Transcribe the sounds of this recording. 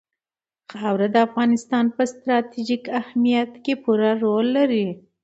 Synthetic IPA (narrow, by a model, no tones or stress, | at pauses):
xawɾad̪əafɣɑnɪst̪ɑnpəst̪ɾɑt̪iʒikahmijat̪kepuɾaɾolːaɾi